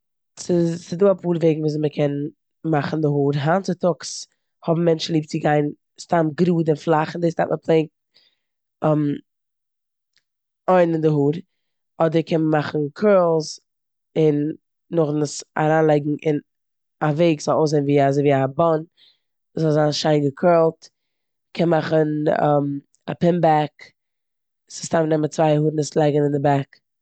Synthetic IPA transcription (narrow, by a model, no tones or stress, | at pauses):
sɪsɪduːapʰuːɾveɪɡŋ̩vuːs̬məkʰɛn | maχn̩dɪɦuːɾɦant͡sɪtʊks | hɔbm̩mɛnt͡ʃn̩lˠiːp̚t͡sɪɡaɪn | stamɡɾuːdɪnflˠaχɪndeɪsta̰ːʔməpʰlˠeɪŋ̚t | ɔm | ɔɪnɪndɪhuːɾ | ɔdəɾkʰɛnmaχn̩kʰɜːlˠz | ɪnː | ʊχnsa̰ɾaːnlˠɛɪɡŋ̩ʔɪn | aveɪkz̥ɔlˠoʊszeɪnviːazoɪviːabɔn | zɔlˠzaːnʃaɪnɡəkʰɜːlˠt | kʰɛnmaχənɛ̰m | apɪmbak | sɪstamnɛmət͡svaɪhuːɾnɪslˠɛɪɡənɪndɪbak